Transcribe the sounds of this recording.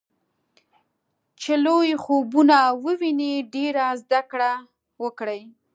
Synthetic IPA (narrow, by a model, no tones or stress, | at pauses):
t͡ʃelojxobunawəwineɖeɾazd̪akɽa | wəkɽəj